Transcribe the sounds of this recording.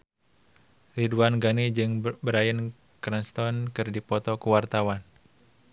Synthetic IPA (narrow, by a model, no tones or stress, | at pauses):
riduanɡanid͡ʒɨŋbəɾajən | kɾɛnst̪ɔnkɨrdipɔt̪ɔkuwart̪awan